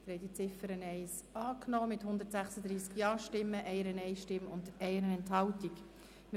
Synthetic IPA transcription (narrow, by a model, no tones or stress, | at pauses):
d̥̪əɾhɛd̪it͡sɪfəɾənɛɪs | ɑːknɔːmɪthʊnd̪əɾtsæχsəd̪ɾiːskjɑːʃtɪmːəʔɛɪəɾənɛɪʃtɪmʊndɛɪəɾənɛnthɑltik | m